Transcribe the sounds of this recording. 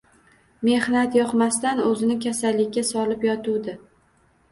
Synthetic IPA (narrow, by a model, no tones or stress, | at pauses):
me̞hnat̪jɒqmast̪anɵzɪnɪkʲʰasalːɪkʲːasɒlɪpjɒt̪ud̪ɪ